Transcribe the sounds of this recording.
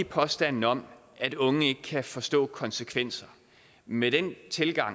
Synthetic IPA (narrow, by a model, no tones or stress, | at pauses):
ipʰɒ̽sd̥æn̰n̩ɒ̽m̰ | ʔæd̥ɔ̽ŋəe̝ɡ̥əkʰæfɒ̽sd̥ɔ̰̽ːkʰɒ̽nsəkʰʋen̰sɐ | med̥ent͡sʰe̝lɡ̥ɑ̈ŋ